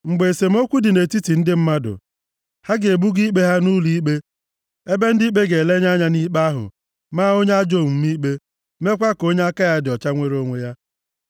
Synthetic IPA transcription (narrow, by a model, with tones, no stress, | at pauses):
ŋ͡m̩˨ɡ͡be˨e˨se˨m̩˦o˦kʷu˦dɪ˨ne˨ti˦ti˨n̩˦dɪ˦m̩˦ma˦dʊ̰˨ | ha˦ɡɪ˨e˨bu˦ɡi˦k͡pe˦ɦa˦nu˦li˦k͡pe˦ | e˦be˦n̩˦di˦k͡pe˦ɡe˨le˦ɲa˦ɲa˦ni˦k͡pa˦ɦʊ̰˨ | maː˦o˦ɲe˦a˦d͡ʒo˦˨m˨m̩˦mi˦k͡pe˦ | me˦kʷa˦ko˦ɲe˦a˦ka˦ja˦dɪ˨ɔ˨t͡ʃa˦ŋʷe˦ɾo˦ŋʷe˦ja˦